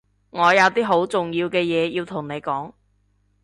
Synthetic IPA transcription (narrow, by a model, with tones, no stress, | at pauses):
ŋɔː˨˧jɐ˨˧wt̪iː˥ɦo˨˥wt͡sʊ˨ŋjiː˧wkɛː˧jɛː˨˧jiː˧wt̪ʰʊ˨˩ŋne˨˧jkɔː˨˥ŋ